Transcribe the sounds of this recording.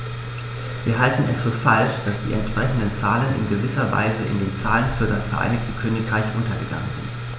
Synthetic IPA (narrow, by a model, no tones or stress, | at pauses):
viːɐɦaltn̩ɛsfyːɐfalʃd̥asd̥ḭːʔɛ̰ntʃpʁ̥ɛçn̩dənt͡saːlənʔɪ̰nɡəvɪsɐva̰ɪzəʔɪ̰ndeːnt͡saːlənfyːɐdasfɛɐʔa̰ɪnɪçtəkʰøːnɪkʁ̥aɪçʔʊntɐɡəɡa̰ŋənzɪ̰nt